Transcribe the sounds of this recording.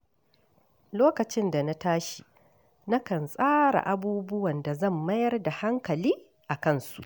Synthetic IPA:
loː˦kɐ˨t͡ʃɪ˦nda˨na˦taː˦ʃi˨ | na˦kɐ˨nsʼaː˦ɾa̰˨ʔa˦buː˦bʊ˦wɐ˨nda˨zɐ˦˨mːɐ˦jɐ˦rda˨ha˦ŋkɐ˨liː˦ | ʔa˨kɐ˦˨nsu̥̰˨ʔ

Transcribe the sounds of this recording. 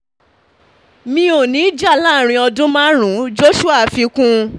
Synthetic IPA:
mĩ˧o˦˨nĩ˨˦d͡ʒa˦˨la˦˨ɾ̃ĩ˧ɔ˧dũ˦mã˦ɾ̃ũ˨˦d͡ʒo˦ʃu˦a˦˨fi˧kũ˦

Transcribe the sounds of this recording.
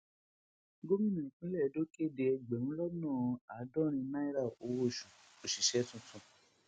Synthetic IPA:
ɡo˦mĩ˦nĩ˨ĩ˨kũ˦lɛ˦˨do˦ke˦˨de˧ɛ˧ɡ͡bɛ˨nũ˦lɔ˦nã˦˨˧a˨˦dɔ˦˨ɾ̃ĩ˧nã˦i˦ɾa˦˨o˨˦wo˦˨ʃũ˨ | o˨ʃi˨ʃɛ˦tũ˧tʰũ˧

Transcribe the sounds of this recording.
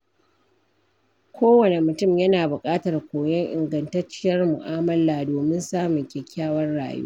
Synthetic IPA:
kʷoː˦wɐ˨ne˨mʊ˨tʊ˦˨mjɐ˦naː˨bʊ˨kʼaː˦tɐ˨rkʷoː˨jɐ˦ŋʔɪ˨ŋɡɐ˨ntɐ˦rt͡ʃːɪ˦jɐ˦rmʊ̰˨ʔaː˦mɐ˦laː˨doː˨mɪ˦nsaː˦mʊ˨ŋkʲɛ˨kʲʰːaː˦wɐ˦rɽa̰ː˨jṵː˦

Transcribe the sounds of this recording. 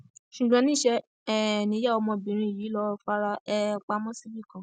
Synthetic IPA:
ʃu˨ɡ͡bã˨˧nĩ˦˨ʃɛ˧ | ɛ˦˨nĩ˨˦ja˦˨ɔ˧mɔ̃˧˨bĩ˨ɾ̃ĩ˧˦i˨ji˨˦lɔ˧fa˦ɾa˧ɛ˧k͡pa˧˦mɔ̃˦si˦bi˦˨kã˨

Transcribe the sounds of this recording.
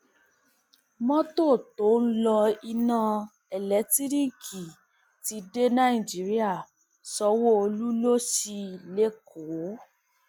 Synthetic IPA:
mɔ̃˦to˦˨to˨˦n̩˦lɔ˧i˧nã˧ | ɛ˨lɛ˨˦ti˦ɾĩ˦˨kʰi˨ | ti˧˦de˦nã˦ĩ˨d͡ʒi˨˦ɾi˦a˦˨ | sɔ˧˦wo˦o˧lu˦lo˦ʃi˧˨le˦kʰo˨˦

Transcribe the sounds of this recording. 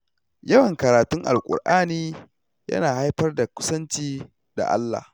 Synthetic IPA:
jɐ˦wɐ˨ŋkɐ˨ɾaː˨tʊ˦ŋʔa̰˨lkʷʼʊ̰˨rʔaː˦niː˦ | jɐ̰˦naː˨ha˦jɸɐ˦rda˨kʷʊ̥˦sɐ˦nt͡ʃiː˦ | da̰˨ʔa̰˦lːa̰ː˨h

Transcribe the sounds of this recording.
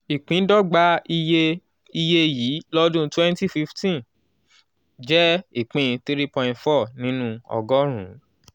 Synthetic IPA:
i˨k͡pĩ˨˦dɔ˦ɡ͡ba˦i˧je˧ | i˧je˧ji˨˦lɔ˦dũ˦twɛ̃˦nti˦fi˧ftĩ˦ | d͡ʒɛ˦i˦˨k͡pĩ˨˧t̪i˦ɾi˦pɔ̃˧j̃fɔ˦˨nĩ˦nũ˦ɔ̰˧ɡɔ˦ɾ̃ṵ̃˨˦

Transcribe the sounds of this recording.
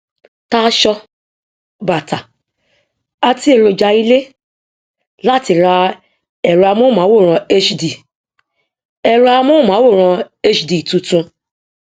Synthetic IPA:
ta˦ʃɔ˧ | ba˨ta˨ | a˧ti˧˦e˨ɾo˨d͡ʒa˧˨i˧le˦ | la˦˨ti˧˨ɾa˧ | ɛ˨ɾu˧a˧mõ˦˨mã˨˦wo˦˨ɾ̃ɔ̃˧e˦t͡ʃdi˨ | ɛ˨ɾu˧a˧mõ˦˨mã˨˦wo˦˨ɾ̃ɔ̃˧e˦t͡ʃdi˨tũ˧tũ˧

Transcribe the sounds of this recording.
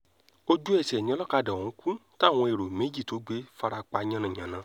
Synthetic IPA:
o˦d͡ʒu˦ɛ˦˨sɛ˨nĩ˦ɔ˧lɔ˦ka˧dɛ̃˨˦kũ˦ta˦˨w̃ɔ̃˧e˨ɾo˨me˨˦d͡ʒi˦˨to˨˦ɡ͡be˦fa˧ɾa˧k͡pa˧ɲã˧nã˨ɲ̃ã˨nã˨˦

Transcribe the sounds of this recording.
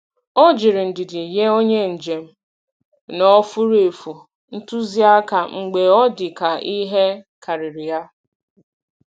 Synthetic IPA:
ɔ˦d͡ʒɪ˨ɾɪ˨n̩˨dɪ˨dɪ˨je˦o˦ɲe˦n̩˨d͡ʒe˨m̩˦ | nɔ˦fu˦ɾe˨fu˨ | n̩˦tu˦zi˦a˦ka˨ŋ͡m̩˨ɡ͡be˨ɔ˦dɪ˨ka˨ʔi˦ɦe˦ka˨ɾɪ˨ɾɪ˨ja˦

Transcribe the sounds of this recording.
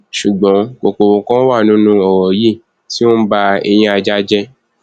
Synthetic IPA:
ʃu˨ɡ͡bɔ̃˨˦ko˨ko˨wo˧kã˦wa˦˨nũ˨˦nũ˦ɔ˨wɔ˨ji˦˨ | ti˦o˦ba˧ɛ̰˧j̃ĩ˧a˧d͡ʒa˧d͡ʒɛ˧

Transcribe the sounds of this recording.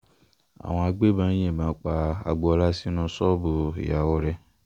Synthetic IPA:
a̰˨w̃ɔ̃˧a˧ɡ͡be˦bã˨˦ɛ̃˦˨bãː˨˦k͡pa˧a̰˨ɡ͡bɔ˧la˦si˦nũ˧sɔ˦bu˨ḭ˨ja˨wɔ˧ɾɛ˧

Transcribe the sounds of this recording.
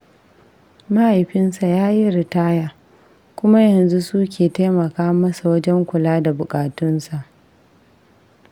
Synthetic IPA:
ma˦ha˨jɸɪ˦nsa˨jaː˦ji˦ɾɪ˨taː˦jaː˨ | kʷʊ˦ma˦jɐ˨nzu˦su˦kʲʰeː˨ta˦jmɐ˨kaː˦mɐ˦sa˨wɐ˦d͡ʒɛ˦ŋkʷʊ˨laː˦da˨bʊ˨kʼaː˨tʊ˦nsa˨ʔ

